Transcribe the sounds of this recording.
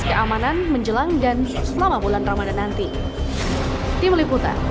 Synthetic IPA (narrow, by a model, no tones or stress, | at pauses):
kəʔamananməɲd͡ʒəlaŋdansəlamabulanramadanant̪i | t̪imliput̪a̰n